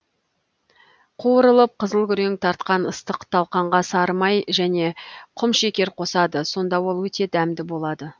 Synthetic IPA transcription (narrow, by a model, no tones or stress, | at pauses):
qʰuəɾəlˠəp̚qʰəzəlˠkʲʏɾeŋt̪ʰɑɾt̪̚qɑnəst̪əqt̪ʰɑlˠqɑɴʁɑsɑɾmɑjʒæne̞qʰʊmʃekʲe̞ɾqʰo̞sɑd̪əso̞nd̪ɑwo̞lˠwɵt̪e̞d̪æmd̪ɪbo̞lˠɑd̪ə